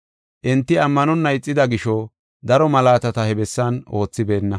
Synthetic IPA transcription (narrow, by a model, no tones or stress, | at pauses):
ʔɪnt̪ːɪɐmːɐnɔnːɐjt͡sʼːɪd̪ɐɡɪʃɔ | d̪ɐɾɔmɐlaːt̪ɐt̪ɐhɛbɛsːɐno̞ːt͡sːɪbe̞ːnːɐ